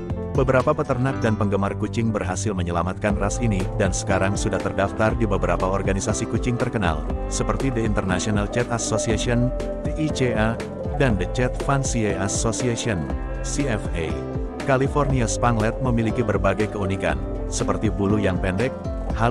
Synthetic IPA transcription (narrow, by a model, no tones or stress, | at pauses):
bəbəɾapapət̪ərnak̚danpəŋɡəmarkut͡ʃɪŋbərɦasɪlməɲəlamat̪̚kanrasinidansə̥kaɾaŋsudaht̪ərdaft̪ardibəbəɾapaɔrɡanisasikut͡ʃɪŋt̪ərkəna̰lsəpərt̪idəint̪ərnasionalt͡ʃɛt̪asosiasiɔn | t̪eʔit͡ʃea | dandət͡ʃɛt̪̚fansieasosiasiɔn | siɛfḛ | kalifɔrniaspanlɛt̪̚məmilikibərbaɡajkəunika̰n | səpərt̪ibulujaŋpɛndɛk̚ | ha